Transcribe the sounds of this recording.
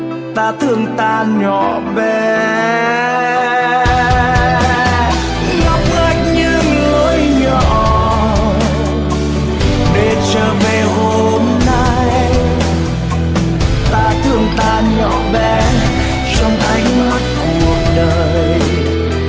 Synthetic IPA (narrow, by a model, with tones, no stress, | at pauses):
t̪aː˧t̪ʰɨ˨˧˩əŋt̪aː˧˨ɲɔ˧˨ | vɛ˨˩˨ | ŋa˨˦˥p̚ɣə˧˩t̚ɲɨ˧ŋlu˨˧˦əjɲɔ˧˩ | ɗe˨˩t͡ɕəː˧˩ve˨˩ho˧ | mna˧j | t̪aː˧t̪ʰɨ˧˩əŋt̪aː˧˩ɲɔ˧˩˨ɓɛ˨˩ | t͡ɕɔ˧wŋ͡mʔ̪a˨˧˦jŋ̟ma˦˥t̚ku˨˩ək̚ɗəː˨˩ | j